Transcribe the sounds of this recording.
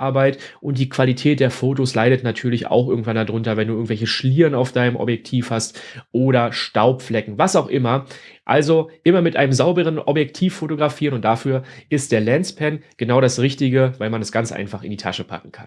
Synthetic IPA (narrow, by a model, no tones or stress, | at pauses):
ʔaɐbaɪt | ʔʊntd̥iːkʰv̥alitʰɛːt̚d̥eːɐfoːtoslaɪɾətnatʰyːɐlɪça̰ʊxʔɪɐɡŋ̩tvandadʁʊntɐvɛnduːɪɐŋ̩tvɛlçəʃliːʁənaʊfd̥aɪnəmʔɔ̰bjɛk̚tʰiːfhastʔoːɾɐʃtaʊpflɛkŋ̩vasaʊxʔɪmɐʔa̰lzoʔɪmɐmɪtʔa̰ɪnəmzaʊbəʁ̞ənɔ̰bjɛk̚tʰiːfːotoɡʁafiːʁənʊnt̚d̥afyːɐʔɪst̚d̥eːɐlɛnt͡spʰɛnɡ̥ənaʊɾasʁɪçtɪɡəvaɪlmanɛsɡ̥ant͡sʔa̰ɪnfaχɪ̰ndiːtʰa̰ʃəpʰa̰kŋ̩kʰa̰n